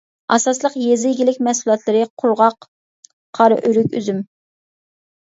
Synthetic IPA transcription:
ɑsɑslˠəqjezɪjɡʲilɪkʲmɛsulˠɑt̪lˠɨɾɨqʰʊɾʁɑq | qʰɑɾɨ̰ʔyɾykʲy̰zym

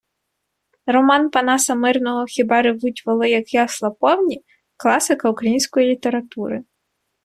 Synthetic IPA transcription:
rɔmɑnpɐnɑsɐmɪrnɔɦɔxʲibɛɾɪʋutʲʋɐlˠɪjɐkjɑslˠɐpɔwnʲi | klˠɑsɪkɐukɾɐjinʲsʲkɔjilʲit̪eɾɐt̪uɾɪ

